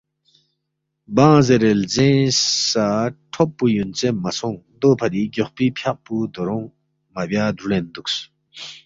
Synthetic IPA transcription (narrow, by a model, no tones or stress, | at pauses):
bãːzeɾelzẽːsaʈʰɔpːujunt͡semasʰɔŋ | d̪opʰɐd̪iɡɔχpipʰjaʔ̚pud̪oɾɔŋ | mabjaːd̪ulend̪uk̚s